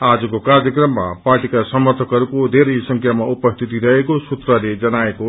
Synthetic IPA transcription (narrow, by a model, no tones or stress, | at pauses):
ad͡zʌkokarjʌkrʌmːa̰parʈikasʌmʌrt̪ʰʌkɦʌɾukod̪ʱeɾʌjsʌŋkʰjamaupʌst̪ʰit̪iɾʌɦekosut̪rʌled͡zʌnaeko